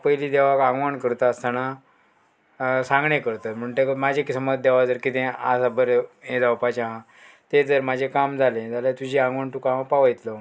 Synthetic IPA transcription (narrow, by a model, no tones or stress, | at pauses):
pəjliːd̪eʋakãɡʋaɳkəɾt̪ast̪ana | sãŋɡɳekəɾt̪at̪m̤əɳt̪ekmad͡ʑʱekisəməd̪̚d̪eʋad͡zəɾkit̪ẽa̰sabəɾeẽd͡zawpat͡ɕaɦã | t̪ed͡zəɾmad͡ʑʱekamd͡zʱalẽd͡zaljat̪ud͡ʑʱiãŋɡʋaɳt̪ukampaʋjt̪lə